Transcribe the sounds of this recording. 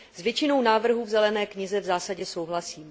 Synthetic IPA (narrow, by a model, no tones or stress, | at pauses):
zvjɛt͡ʃɪno̞wnaːvr̩ɦuːvzɛlɛnɛːkɲɪzɛvzaːsaɟɛso̞wɦlasiːm